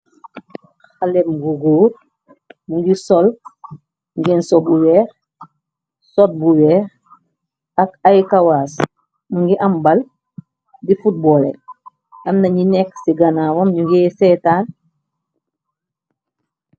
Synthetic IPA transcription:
xalɛmɡuɡuːt̚ | muŋɡisɔl | ŋɡɛnsɔbuwɛːɾ | sɔt̚buwɛːx | akajkawaːs | muŋɡiʔambal | difut̚bɔːlḛ | ɐmnɐɲinɛksiɡanaːwomɲuŋɡɛsɛtaːn

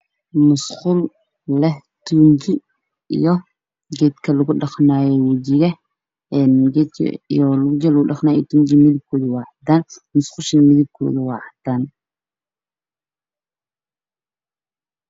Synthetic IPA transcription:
mʊsqʊlː | ɛh | t̪ʰuːnt͡ʃɪ | ḭjɔ | ɡɛːd̪kʰɐlɐɣʊɖɑqnaːjɛwɐd͡ʒɪɣɐ | ɛːnɡɛd̪t͡ʃḭjɔlɣʊd͡ʒɛlɣʊɖɑχnaːjɔt̪ʰuːɲt͡ʃimɪðɪb̚kʰɔːðʊwɑːʕɑd̪aːnmʊsqʊʃɐnmɪðɪb̚kʰɔ̰ːðʊwɑːʕɑd̪aːn

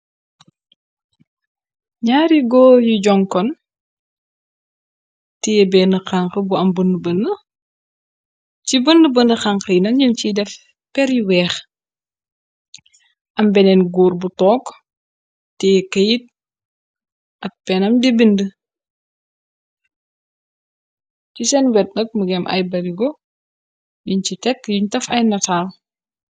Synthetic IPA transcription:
ɲaːɾiɡɔːjuɟɔŋkɔn | tijɛbɛnəxaŋkəbuɐmbəndəbənə | cibəndəbəndəxaŋkəjnɐnɲincidɛf | pɛɾjiwɛːx | ʔɐmbɛnɛnɡuːrbutɔːkː | tɛːkɐjit̚ | ʔɐk̚pɛnɐmdibində | cisɛnwɛt̚nɐk̚məɡɛmʔɐ̰jbɐɾiɡɔ | juncitɛkːjuɲtɐfɐjnɐtaːl

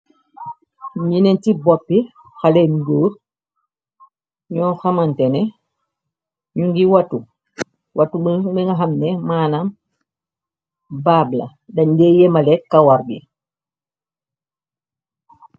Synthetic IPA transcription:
ɲinɛntibɔpːi | xalenduːɾ | ɲɔːxamantɛnɛ | ɲuŋɡiwatu | wʔatubbiŋɡaɦamnɛmaːnam | babla̰ | dɐɲdɛjɛmalɛkːawaɾbi

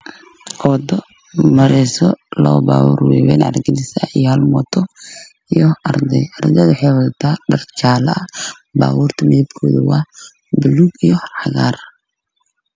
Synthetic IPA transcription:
ʔɔd̪ɔ | mɐɾɛsɔlɔ̰ba̰ːwṵːrwɛ̰ːwɛ̰ːnʕɐ̰rɡɪlɪsɐijhɐlmɔt̪ʰɔ | ijɔɐrd̪ɛjɐɾd̪ɛðwʊħɛjwɐt̪ʰaːɖɐrt͡ʃaːlɐɐ | ba̰ːwuːrt̪ʰɐmɪðib̚kʰɔːðuwɑː | bɪluɡijɔħɑɣa̰ːr

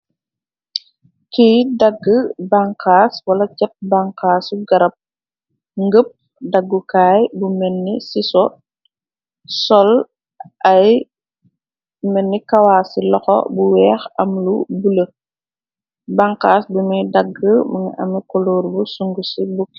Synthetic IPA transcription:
kiːdɐɡːəbaŋkaːswɐlɐt͡ʃɛp̚baŋkaːsuɡɐɾɐp̚ | ŋɡəp̚ | dɐɡːukaːjbumɛnːisisɔ | sɔl | ʔɐj | mɛnːikɐwaːsilɔxɔ̰buwɛːxɐmlubulə | baŋkaːsbumidɐɡːəməŋḭʔɐ̰mikɔloːɾbusuŋɡusibukː

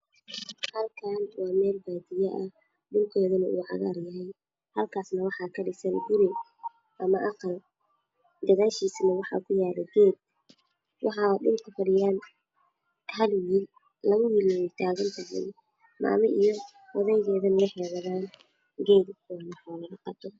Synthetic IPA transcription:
hɐlkʰaːnwɑːmɛːlbaːd̪ɪjɐʔɐ̰ | ɖʊlkʰɛːðɐnɐʔṵːʕɑ̰ɣaːrjɐɦɛj | hɐlkʰaːsnɐwɑħɑːkʰɐɖɪsɐnɡʊɾɪ | ʔɐmɐʔɑqɑl | d̪ɐɣaːʃiːsnɐwɑħɑ̰ːkʰʊjaːlɛɡɛːd̪̚ | wɑħɑːɖʊlkʰʊfɐɽɪjaːn | t̪ɐlwiːl | lɐɣʊwilijt̪ʰaːɣɐnt̪ʰɐɦɛ̰j | mɑ̰ːmɐʔij | wɑðɛjɣɛːðɐnɐwʊħɛːɣɐðaːn | ɡɛːd̪ɔlʊħaːlɐɣɐqɑb̚t̪ʰɔ

